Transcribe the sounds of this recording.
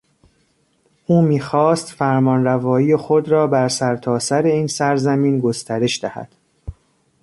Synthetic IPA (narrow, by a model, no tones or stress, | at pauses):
ʔuːmiːxɒːst̪fæɾmɒːnɾævɒːiːjexod̪ɾɒːbæɾsæɾt̪ʰɒːsæɾe̞iːnsæɾzæmiːnɡo̞st̪ʰæɾe̞ʃd̪æhæ̰d̪̥